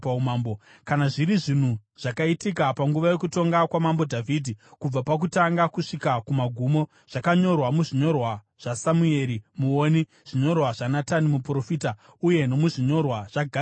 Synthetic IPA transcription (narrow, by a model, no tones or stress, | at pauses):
aumaːmbo | kanaʐiɾiʐin̤uʐ̥akaitikapaŋɡuʋaje̞kuto̞ŋɡakwamambo̞dʱaviːdʱikub͡vapak̬utaŋɡakuʂikakumaɡʱumo̞ | ʐ̥akaɲo̞rwamuʐiɲo̞rwa | ʐ̥asamue̞ɾimuoːni | ʐ̥iɲo̞rwaʐanatanimupuro̞fiːta | uje̞no̞muʐiɲo̞rwaʐ̥aɡʱa